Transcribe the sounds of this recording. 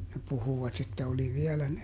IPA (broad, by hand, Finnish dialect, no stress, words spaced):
ne puhuʋɑt etːæ oli ʋiɛlæ ne